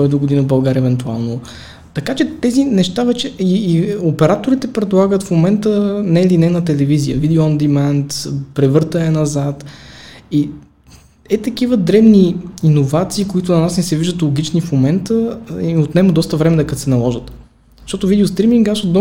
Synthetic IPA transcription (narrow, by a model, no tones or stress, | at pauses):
ɔɛd̪oɡod̪inəbɐlˠɡaɾʲɛvɛnt̪ua̰lˠno | t̪ɐkat͡ʃɛt̪ɛzinɛʃt̪avɛt͡ʃɛiːopɛɾat̪oɾit̪ɛpɾɛd̪lˠaɡət̪fmomɛnt̪ənɛlinɛnɐt̪ɛlɛvizijəvid̪ɛʊɐnd̪imant̪pɾɛvɤɾt̪əɛnɐzat̪ | i | ɛt̪ɐkivəd̪ɾɛbniinovat̪siːkoit̪ʊnɐnasnɛsɛviʒd̪ət̪lˠoɡ̟it͡ʃnifmomɛnt̪əiot̪nɛməd̪ɔst̪əvɾɛmɛd̪ɐkəsɛnɐlˠɔʒət̪ | ʃt̪ɔt̪ʊvid̪ɛost̪ɾimiŋɡasod̪ɔ